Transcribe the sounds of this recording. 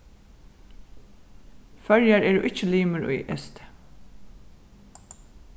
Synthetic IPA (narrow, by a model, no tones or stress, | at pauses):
fœɹjaɹɛːɹʊʔɪt͡ʃːəliːməɹʊ̰jʔɛ̰st̪